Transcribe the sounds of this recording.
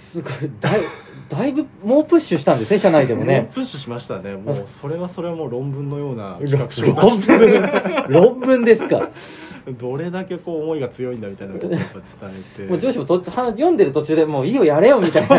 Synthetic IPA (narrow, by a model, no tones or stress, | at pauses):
sɨɡoid̪ai | d̪̥aibɯ̟moːpɯ̟ɕːɨɕi̥t̪ãnd̪e̞sɨne̞ɕanaid̪e̞mo̞nepɯ̟ɕːɨɕimaɕi̥t̪ane̞moːso̞ɾe̞βaso̞ɾe̞βamoːɾõ̞mbɯ̟̃nːo̞jo̞ːna̰ɾkakɯ̥ɕõ | ɾõ̞mbɯ̟̃nd̪e̞sɨ̥ka̰ | d̪o̞ɾe̞d̪ake̞ko̞ːmo̞iɡat͡sɨjo̞ĩnd̪amʲit̪ainapːat͡sɨ̥t̪aet̪emoːd͡ʑo̞ːɕimot̪ohajõ̞nd̪e̞ɾɯ̟t̪o̞t͡ɕɨːd̪e̞moːio̞jaɾe̞jo̞mʲit̪aina